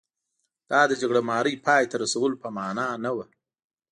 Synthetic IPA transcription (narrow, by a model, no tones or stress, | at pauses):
d̪̥ɑd̪əd͡ʒaɡɽamɑːɾəjpʰɑjt̪aɾasawəlopəmɑːnɑnawa